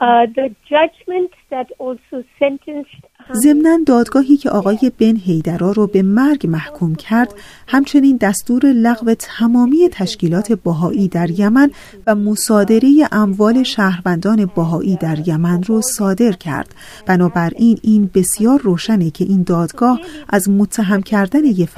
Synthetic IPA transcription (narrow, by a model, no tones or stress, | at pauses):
ðəd͡ʒad͡ʒmə̃ntðætɔlsosɛ̃ntʰə̃nst | ze̞mnænd̪ɒːd̪ɡɒːɦiːcʰe̞ʔɒːɣɒːje̞benɦe̞jd̪æɾɒːɾɔːbe̞mæɾɡmæhkʰuːmcʰæɾd̪̥hæmt͡ʃʰe̞niːnd̪æst̪uːɾe̞læɣve̞t̪ʰæmɒːmiːe̞t̪ʰæʃciːlɒːt̪ʰe̞bɒɦɒːʔiːd̪æɾjæmæn | væmosɒːd̪e̞ɾe̞je̞ʔæmvɒːle̞ʃæːhɾvænd̪ɒːne̞bæɦɒːʔiːd̪æɾjæmænrɔsɒːd̪e̞ɾcʰæ̰ɾd̪̥ | b̥ænɒːbæɾʔiːnʔiːnbe̞sjɒːɾːoːʃænecʰe̞ʔiːnd̪ɒːd̪̥ɡɒːhʔæzmot̪ʰːæɦæmcʰæɾd̪æne̞je